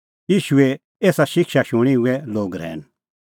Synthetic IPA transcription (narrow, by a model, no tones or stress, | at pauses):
jiːʃuɛ | eːsaʃɪkʃaʃʊɽ̃iɦʊɛloːɡɾɛ̰ːn